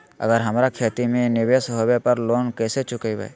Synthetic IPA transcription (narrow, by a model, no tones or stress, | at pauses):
ə̰ɡəɾɦəmɾakʰeːt̪imẽnɪʋesɦobepəɾloːnkɛːset͡ʃʊkeibḛj